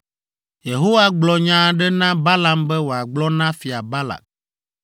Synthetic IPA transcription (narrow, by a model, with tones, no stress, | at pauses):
je˨ɦo˦wa˦ɡ͡blɔ˨ɲã˦˨ɖɛ˦nã˦ba˦la˦mbɛ˦wo˨a˨ɡ͡blɔ˦nã˦fi˨a˨ba˦la̰˨k̚